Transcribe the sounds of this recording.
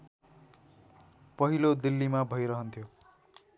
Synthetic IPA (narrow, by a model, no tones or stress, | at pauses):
pʌɦilod̪ilːimabʱʌjɾʌɦʌnt̪ʰjo